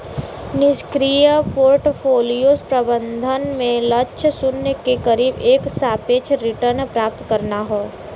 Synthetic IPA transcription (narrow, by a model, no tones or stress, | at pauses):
nɪʃkɾijəpoːɾʈpʰoːlijospɾəbə̃nd̪ʱənmẽləʃʰəsʊnːəkekəɾiːbeːksaːpeːt͡ʃʰɾɪʈəɾnpɾaːp̚t̪kəɾnaɦoː